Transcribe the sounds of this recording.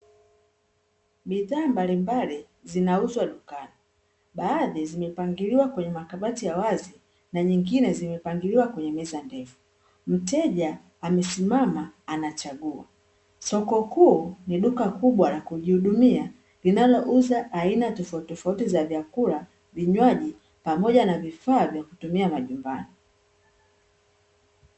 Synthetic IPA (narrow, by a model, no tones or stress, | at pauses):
biðaːmbalimbali | zinauzwaɗukani | ɓaːðizimɛpaŋɡiɾiwakwɛɲɛmakaɓatijawazi | naɲiŋɡinɛzimɛpaŋɡiliwakwɛɲɛmɛzandɛfu̥ | m̩tɛʄaː | mɛsimamaːnat͡ʃaɠua̰ | sɔkɔhuɔniɗukakuɓwalakuʄihuɗumia | linalɔʔuzaainatɔftɔfautizavjakula | viɲwaʄi | pamɔʄanavifaːvjaku̥tumiamaʄumba̰ni